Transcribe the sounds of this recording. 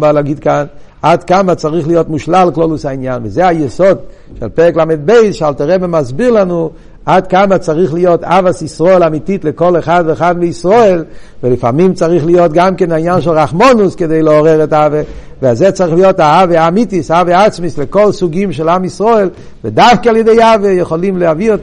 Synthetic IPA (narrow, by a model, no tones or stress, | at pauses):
malaɡidkan | atkamat͡saʁiχlijotmuʃlalklolusainjanvɪzɛajɛsod | ʃɛlpɛʁɛklamɛd̚beɪsʃalˠtaʁɛbemazbiʁlˠanu | adkamat͡saʁiχlijotavasisʁoelamititlɪkolɛχadveːχadmɪisʁoelvɪlɪfa̰mimt͡saʁiχlijotɡamkɛnainjanʃɛlʁaχmɔnuskedeɪləɔʁɛʁɛtaave | vɪazɛt͡saʁiχlijotaaveamitisaaveat͡smislɪkolsuɡimʃ̬ɛlamisʁoel | vɪdafkialjedeɪavejɛχolimlɛaviɔt